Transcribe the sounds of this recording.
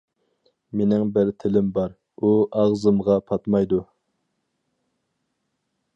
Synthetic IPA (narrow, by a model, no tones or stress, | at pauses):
menɪŋbɪɾt̪ʰɪlɪmbɑɾ | uɑʁzɨmʁɑpʰɑt̪mɑjd̪u